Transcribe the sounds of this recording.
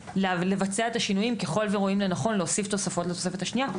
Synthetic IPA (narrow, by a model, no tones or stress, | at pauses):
lle̞vat͡seaet̪aʃinujimke̞χo̞lveʁoimlenaχo̞nleosift̪o̞safo̞tlet̪o̞se̞fe̞t̪haʃnia